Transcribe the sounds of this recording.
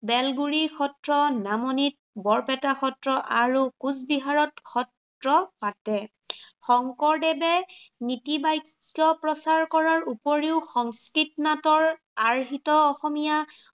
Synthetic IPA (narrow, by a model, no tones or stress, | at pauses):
bɛlɡuɹikʰɔtɹɔnamɔnit̚bɔɹpɛtaxɔtɹɔʔaɹukuzbiɦaɹɔtkʰɔt | ɹɔpatɛ | xɔŋkɔɹdɛbɛnitibajkːjɔpɹɔsaɹkɔɹaɹupɔɹiʊxɔŋskɹitnatɔɹ | aɹɦitɔɔxɔmija